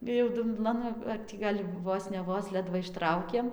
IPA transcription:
ɪr jɛʊ dʊmˈblˠɐn ɐr ˈtʲiː ɡɐlʲ ˈʋoːs nʲɛ ˈʋoːs ˈlʲæːdʋɐ ɪʃˈtrɐʊkʲeːm

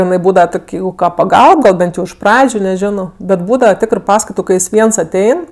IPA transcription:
ɪˈnɐɪ ˈbuːdɐʋɐ ˈtoːkʲ ˈjɛɪɡʊ kɐ pɐˈɡɐlˠp ˈbʲɛnt jɛʊ ɪʃ ˈprɑːd͡ʒʲʊ nʲɛˈʒʲɪnoː bʲɛt ˈbuːdɐʋɐ ˈtʲɪkrɜ ˈpɑːskɐɪtʊ kɐɪ ˈjɪs ˈʋʲiɛns ɐˈtʲɛɪn

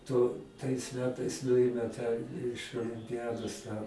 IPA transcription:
tʊ tɐɪs ˈmʲæːtɐɪs ˈnʊɪmʲɛ tɑː ɪʃ oːlʲɪmʲpʲɪˈjæːdoːs tɑː

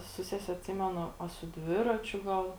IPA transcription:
sʊ ˈsʲæːsʲɛ ɐtʲˈsʲɪmʲɛnʊ ɐ sʊ ˈdʲʋʲɪrɐt͡ʃʲʊ ˈɡɐlˠ

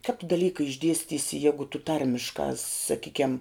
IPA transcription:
kɐp tʊ dɐˈlʲiːkɐ ɪʒʲˈdʲiɛsʲtʲiːsʲɪ ˈjæːɡʊ tʊ ˈtɐrʲmʲɪʃkɑː sɐˈkʲiːkʲɛm

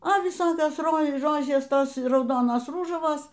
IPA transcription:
oː ʋʲɪˈsoːkʲoːs ˈroː ˈroːʒʲeːs ˈtoːs rɐʊˈdoːnoːs ˈruːʒɐʋoːs

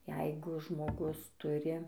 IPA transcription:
ˈjɛɪɡʊ ʒmoːˈɡʊs ˈtʊrʲɪ

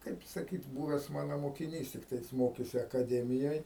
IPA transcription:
ˈkɐɪp sɐˈkʲiːt ˈbuːʋʲɛs ˈmɑːnoː moːkʲɪˈnʲiːs ˈtʲɪktɐɪ ˈjɪs ˈmoːkʲeːsʲɪ ɐkɐˈdʲæːmʲɪjoːj

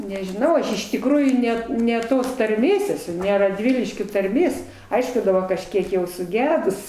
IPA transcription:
nʲɛʒʲɪˈnɐʊ ˈɐʃ ɪʃ tʲɪkˈruːjuː ˈnʲɛt nʲɛ ˈtoːs tɐrʲˈmʲeːs ɛˈsʊ nʲɛ rɐdʲˈʋʲɪlʲɪʃʲkʲoː tɐrʲˈmʲeːs ˈɐɪʃkʊ dɐˈbɐ kɐʃʲˈkʲiɛk jɛʊ sʊˈɡʲæːdʊs

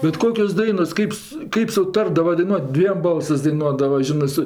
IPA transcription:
bʲɛt ˈkoːkʲoːs ˈdɐɪnoːs ˈkɐɪp sʊ ˈkɐɪp sʊˈtɐrdɐʋɐ dɐɪˈnuɔtʲ ˈdʲʋʲiɛm ˈbɐlˠsɜs dɐɪˈnuɔdɐʋɐ ˈʒʲɪnɜ ˈsʊ

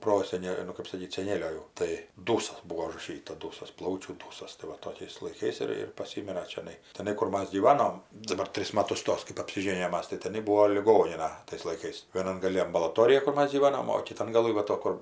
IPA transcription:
ˈproːsʲɛnʲɛ nʊ kɜp sɐˈkʲiːt sʲɛˈnʲeːlʲoː jɛʊ ˈtɐɪ ˈduːsɐs ˈbuːoː ʊʒrɐˈʃʲiːtɐ ˈduːsɐs ˈplˠɐʊt͡ʃʲuː tɐɪ ˈʋɐ ˈtoːkʲɛɪs lˠɐɪˈkɐɪs ɪr ɪr pɐˈsʲɪmʲɪrɐ t͡ʃʲɛˈnɐɪ tʲɛˈnɐɪ kʊr ˈmɐs ɡʲiːˈʋɑːnoːm dɐˈbɐr ˈtʲrʲɪs ˈmɑːtʊs ˈtoːs kɜp ɐpʲsʲɪˈʒʲeːnʲɪjoːm ˈmɐs tɐɪ tʲɛˈnɐɪ ˈbuːoː lʲɪˈɡoːnʲɪnɐ tɐɪs lˠɐɪˈkɐɪs ʋʲiɛˈnɐn ɡɐˈlʲɪ ɐmbɐlˠɐˈtoːrʲɪjɛ kʊr ˈmɐs ɡʲiːˈʋɑːnoːm oː kʲɪˈtɐn ɡɐˈlˠɨ ʋɐ ˈtoː ˈkʊr

